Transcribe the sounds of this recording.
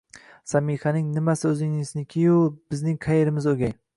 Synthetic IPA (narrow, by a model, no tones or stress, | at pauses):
samihanɪŋnɪmasɪɵzɪŋɪznɪkʲʰɪjʊb̥ɪznɪŋqʰajeɾɪmɪzoɡʲaj